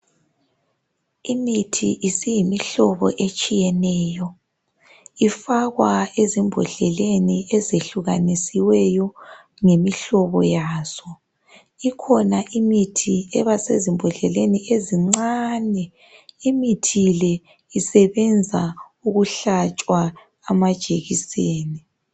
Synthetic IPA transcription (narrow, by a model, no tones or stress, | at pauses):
imitʰiʔisijimiɬɔβɔ̰ʔet͡ʃʼijɛnɛːjɔ | ifaɣwaezimbʱɔ̰ɮɛleniɛzeɬuɣanisiwɛjɔ | ŋemiɬɔβɔjaːzɔ | ikʰɔnaʔimitʰiɛβasezimbʱɔɮɛlenieziŋ͡ǀaːnɛ | imitʰilɛ | isɛβɛnd͡zʱa | uɣuɬat͡ʃʼwaː | mad̥ʒ̥ʱeɣiseːni